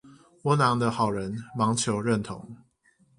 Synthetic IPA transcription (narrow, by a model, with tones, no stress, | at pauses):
wɔ˧˦nɑ˨˥ŋd̪ə˧xɑ˨˩ʊɻə˨˦nmɑ˧˥ŋt͡ɕʰjo˨˦ʊɻə˥˨nt̪ʰʊ̰˨˦ŋ